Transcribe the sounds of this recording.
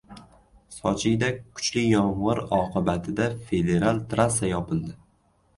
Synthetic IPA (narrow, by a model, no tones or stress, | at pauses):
sɒt͡ʃʰɪɡʲd̪akʰʊ̥t͡ʃlɪjɒɴʁɨɾɒqʰɨbat̪ʰɪd̪afe̞d̪e̞ɾalt̪ɾasajɒpʰɪld̪ɪ